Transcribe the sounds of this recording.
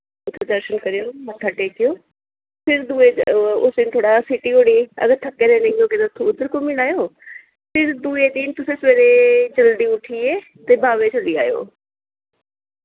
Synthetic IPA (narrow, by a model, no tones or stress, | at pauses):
ʊt̪ːed̪əɾʃənkəɾɪjoːmət̪ʰːaːʈeːkɪjoː | pʰɪɾd̪uːeːʊsd̪ɪnt̪ʰoːɽaːsɪʈiːɦoːɽ̃iːə̰ɡəɾt̪ʰəkːeːɾɛ̃ːnẽõːkɪnat̪ʰːoʊd̪əɾkomɪnaːjoː | pʰɪɾd̪ueːd̪int̪ʊsẽːsʋeːɾed͡ʒəld̪iːʊʈʰiːeː | t̪eːbaːʋeːt͡ʃəld̪iːa̰ːjo̰ː